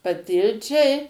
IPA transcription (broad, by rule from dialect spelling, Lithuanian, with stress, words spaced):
pɐˈtʲɪlʲt͡ʃʲɛɪ